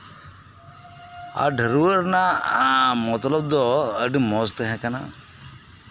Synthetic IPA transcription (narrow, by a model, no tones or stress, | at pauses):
a̰ɖʱəɾuəɾnaamɔt̪lɔb̚d̪ɔəɖimɔst̪ɛɦɛ̃kana̰